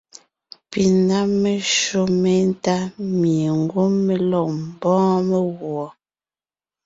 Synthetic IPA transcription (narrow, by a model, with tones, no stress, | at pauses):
pi˨na˦me˨ʃo˦me˦n˦ta˦mi˨e˨ŋ˦ɡwo˦mːe˨lɔ˨m˨bɔ̃ː˦me˦ɣwɔ˨